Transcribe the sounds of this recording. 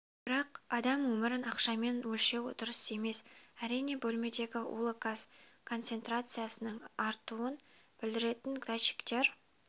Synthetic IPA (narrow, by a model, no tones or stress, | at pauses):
b̥ɪɾɑqɑd̪ɑmwɵmɪɾɪnɑqʃɑme̞nwɵlʃe̞wd̪ʊɾəse̞me̞sæɾijne̞bɵlme̞d̪e̞ɡʲɪṵlˠokaskʰo̞nt̪se̞nt̪ɾat̪sɨjasənəɴɑɾt̪uən | b̥ɪld̪ɪɾe̞t̪ɪŋɡɾaʃi̥kt̪e̞ɾ